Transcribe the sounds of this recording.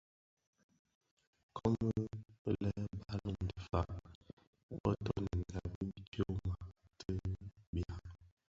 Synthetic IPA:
kʰɔ˦mə˦ə˦˨lɛ˦ba˦lɔ˦˨mdi˨fa˨ʔ | bɔ˦tɔ˦nə˨ŋ˨ɡa˨bə˦kjo˦ma˨ | tʰə˦bja˨

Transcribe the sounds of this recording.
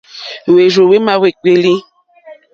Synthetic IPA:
we˨ʒo˨we˦mã˦we˨k͡pe˨li˦

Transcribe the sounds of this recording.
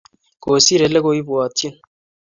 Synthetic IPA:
ko˨si˦ɾe˨le˦ɡo˦i˦bu˨a˨t̪ʰːi˦n

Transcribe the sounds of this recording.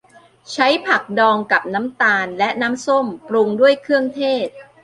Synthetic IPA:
t͡ɕʰa˦˥jpʰa˨˩k̚dɔː˧ŋka˨˩p̚na˦˥mt̪aː˧nlɛ˦˥ʔna˦˥mso˥˩mpɾu˧ŋdu˥˩əjkʰɯ˥˩əŋt̪ʰeː˥˩t̪̚

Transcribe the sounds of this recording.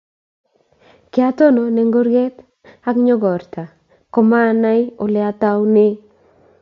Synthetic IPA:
kɪ˦a˦to˦no˨ne˨ŋɡo˦ɾɡɛ˦t | a˦kɲɔ˦ɡɔ˨ɾta˨ | kɔ˨ma˦na˦jo˨lɛ˨a˦ta˦wnɪ˦

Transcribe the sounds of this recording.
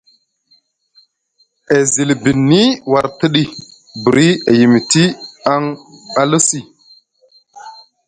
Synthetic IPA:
e˨zi˨lbi˨nːi˦wa˨ɾtə˦ɗi˨ | bi˨ɾi˦e˨ji˨mi˨ti˦a˦ŋa˦lu˦si˨

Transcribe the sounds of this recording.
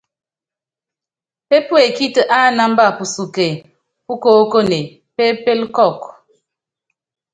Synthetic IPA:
pe˦pwe˨ki˦tə˨ʔa˦na˦m˦ba˦˨pu˨su˨ke˨ | pu˦ko˦ko˦ne˨ | pe˦pe˦lkɔ˦˨k

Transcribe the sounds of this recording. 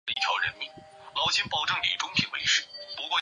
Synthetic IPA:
ə˧i˥˩jɑ̰˧˥ʊɻə̰˧˥nmi˥˩ | lɑ˧˥ʊt͡ɕʰi˥npɑ˨˩ʊʈ͡ʂɤ˥˩ŋlḭ˨˩ʈ͡ʂʊ˥ŋpʰi˧˥ŋwḛ˧˥ɪʂɻ̩˥˩pu˧˥kwɔ˥˩

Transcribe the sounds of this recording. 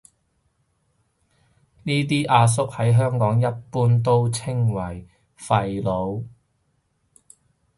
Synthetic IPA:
niː˥t̪̬iː˥ʔaː˧s̬ʊ˥k̚hɐ˨˥jɦœː˥ŋkɔː˨˥ŋjɐ˥t̚puː˥nt̪o˥wt͡sʰɪ˥ŋwɐ˨˩j | fɐ˧jlo˨˧w

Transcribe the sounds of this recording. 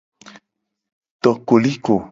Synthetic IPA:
t̪ɔ˨ko˨li˦ko˨

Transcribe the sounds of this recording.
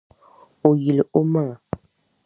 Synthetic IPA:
o˨ji˨le˨o˦ma˦ŋa˨

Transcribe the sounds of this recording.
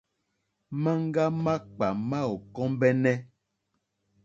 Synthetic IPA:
mã˦ŋ˦ɡa˦ma˦k͡pa˨mã˦o˨kɔ̃˦mbɛ˦nɛ˦

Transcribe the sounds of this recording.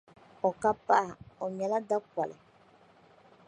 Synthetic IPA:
ɔ˨ka˦pa˦˨ɔ˨m˨a˨la˦da˦kwa˨lɛ̰˨

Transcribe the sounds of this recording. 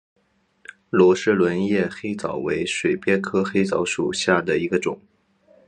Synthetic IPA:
lwɔ˧˥ʂɻ̩˥˩lwə˧˥njɛ˥˩xe˥ɪt͡sɑ˨˩ʊwe˧˥ɪʂwe˨˩ɪpjɛ˥nkʰɤ˥xe˥ɪt͡sɑ˧˥ʊʂu˨˩ɕja˥˩d̪ə˩i˧˥ɡə˧ʈ͡ʂʊ̰˨˩˦ŋ

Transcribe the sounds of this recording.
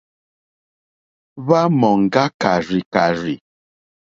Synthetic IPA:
βa˦mɔ˨ŋ˨ɡa˦ka˨ɾi˨ka˨ɾi˨

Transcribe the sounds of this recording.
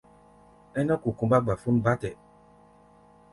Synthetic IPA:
ɛ˦nɔ̃˦ku˨kũ˧˦ba˦ɡ͡ba˨fu˦n̩˦ba˦tɛ˨

